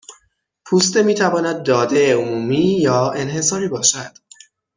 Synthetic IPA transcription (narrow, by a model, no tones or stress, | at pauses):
pʰuːst̪e̞miːt̪ʰævɒːnæd̪̚ːɒːd̪e̞omuːmiːjɒːe̞nɦe̞sɒːɾiːbɒːʃæd̪̥